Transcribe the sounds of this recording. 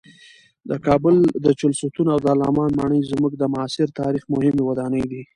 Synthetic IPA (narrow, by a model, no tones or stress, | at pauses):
d̪əkɑbʊld̪ət͡ʃʊlsut̪unawd̪alɑ̰mɑnmɑɳəjzmuɡd̪əmʊɑsɪɾt̪ɑɾixmʊhɪmewad̪ɑnəjd̪i